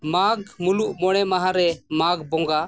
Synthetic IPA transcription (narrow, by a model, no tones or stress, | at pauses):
maɡmuluʔmɔɽ̃ɛmaɦãɾɛmaɡbɔ̃ŋɡa